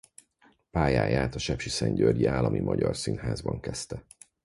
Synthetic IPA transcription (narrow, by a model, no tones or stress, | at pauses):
paːjaːjaːt̪ɒʃɛpʃisɛɲɟørɟiaːlːɒmʔimʔɒɟɒrsinhaːzbɒŋkɛst̪ɛ